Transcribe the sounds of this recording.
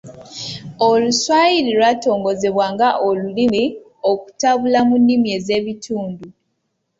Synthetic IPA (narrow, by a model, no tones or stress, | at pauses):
oluswaːjiɾilwato̞ːŋɡo̞ze̞βwaːŋɡaʔolulimi | o̞ku̥taβulamunːimje̞ze̞βitʰuːndu